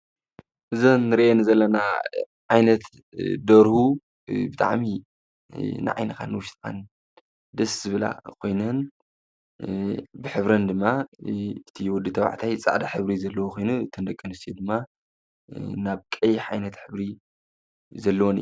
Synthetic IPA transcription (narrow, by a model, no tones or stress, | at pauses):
ʔɨzɐnːɨɾiʔenizɐlːɐna | ʕajnɐt̪ | d̪ɐɾhu | bɨt̪ʼa̰ʕmi | nɨ̰ʕa̰jnɐkʰa̰nwʊʃt̪ʼkʰa̰n | d̪ɐszɨβɨla̰kʰo̞jnɐn | bɨħɨβɾɐnd̪ɨmːa | ɨt̪ʰiwɔd̪ɨt̪ʰɐβa̰ʕt̪ʰajt͡sʼa̰ʕd̪aħɨβɾizɐlːɐwokʰo̞jnuɨt̪ʰːɐnd̪ɐkʼːɨnɨst̪ʰijod̪ɨmːa | naβkʼɐjħajnɐt̪ħɨβɾi | zɐlːɐwonḭj